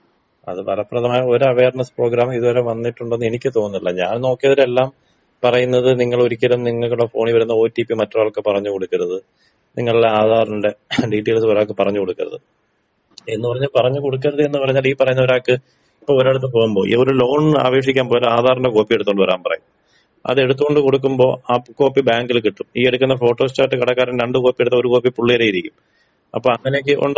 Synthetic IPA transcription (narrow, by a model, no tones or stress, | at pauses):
ɐ̰ðɨpɐlɐpːrɐðɐmaːjɐo̞ɾuɐʋe̞ːrɳɐspro̞ːɡɾaːmiðuʋɐɾeʋɐnːiʈːuɳɖenːe̞nikʲːɨt̪o̞ːnːilːɐɲa̰ːnno̞ːkːijɐðiɾe̞lːaːm | pɐrɐjunːɐðɨniŋːɐɭoɾikʲːɐɾunniŋːɐɭkːuɭɐfo̞̰ːɳiʋɐɾunːɐoːtːipːimɐtːɐaːɭkːepɐrɐɲːuko̞ɽukːɐɾɐðɨ | niŋːɐɭuɽeaːd̪ʱaːɾɐnɖe̞ɖiːʈːeːlsoɾaːkːɨpɐrɐɲːuko̞ɽukʲːɐɾɐ̰ðɨ̰ | e̞nːɨpɐrɐɲːaːlpɐrɐɲːuko̞ɽuk̬ːɐɾɐðɨe̞nːɨpɐrɐɲːaːliːpɐrɐjunːɐoɾaːkːɨ | ipːoːoɾeɽut̪ːɨpo̞ːɣumbo̞ːʔḭoɾulo̞ːɳa̰ːʋeːʂikʲːaːmpoːlaːðʱaːɾɐnɳɖeko̞ːpːijeɽut̪ːɣoɳɖɨʋɐɾa̰ːnpɐrɐ̰ju | ɐ̰ðe̞ɽut̪ːuɣoɳɖɨko̞ɽukːumbo̞ːako̞ːpːibaːŋɡilkiʈːumiːeɽukːunːɐfo̞ːʈːo̞ːst͡ɕaːʈːɨkɐɽɐkːaːɾɐnɾeɳɖɨko̞ːpːieɽut̪ːɐo̞ɾuko̞ːpːipuɭːijɐɾejiɾikʲːum | ɐ̰pːoːɐŋːɐnek̬ːɨʔo̰ɳɖ